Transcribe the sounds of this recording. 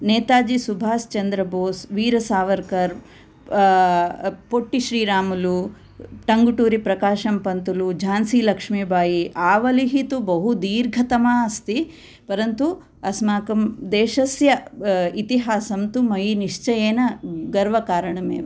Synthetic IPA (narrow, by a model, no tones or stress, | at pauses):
neːt̪aːd͡ʒisubʱaːst͡ʃɐnd̪ɾɐboːsʋiːɾɐsaːʋɐɾkɐɾ | poʈːiʃɾiːɾaːmulu | ʈɐŋɡuʈuːɾipɾɐkaːʃɐmpɐnt̪ulud͡ʒʱaːnsiːlɐkʂmiːbʱaːjiʔaːʋɐliɦit̪ubɐɦud̪iːɾɡʱɐt̪ɐmaːɐst̪i | pɐɾɐnt̪u | ɐsmaːkɐmd̪eːʃɐsjɐit̪iɦaːsɐmt̪umɐjiniʂt͡ʃɐjeːnɐɡɐɾʋɐkaːɾɐɳɐmḛːʋ